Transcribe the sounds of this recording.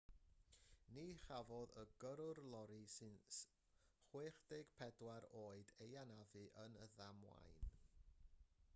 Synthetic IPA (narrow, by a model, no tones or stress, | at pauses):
niχavɔðəɡəɾʊrlˠɔɾisɨns | χweːχd̥eɡ̥pʰɛdwaɾoːɨdejanavɨʔənəðamwa̰jn